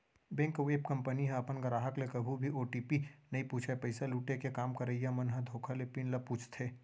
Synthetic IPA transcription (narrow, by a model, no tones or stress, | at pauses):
bẽːŋkoʋeːpkɐ̃mpəniɦɛ̃ɐpənɡɐɾaːɦəklekɐbʱubʱiʔoːʈiːpinɐĩpuːt͡ʃʰapɐɪsaluːʈekekaːmkɐɾəijãmɐnɦə̃d̪ʱoːkʰalepɪnlɐpuːt͡ʃʰt̪ʰeː